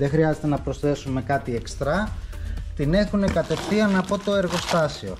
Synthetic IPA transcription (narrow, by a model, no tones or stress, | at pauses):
ðe̞xɾiɐze̞t̪e̞nɐpɾo̞sθe̞sume̞kɐt̪ie̞kst̪ɾɐ | t̪ine̞xune̞kɐt̪e̞fθiɐnɐpo̞t̪o̞e̞ɾɣo̞st̪ɐsio̞̰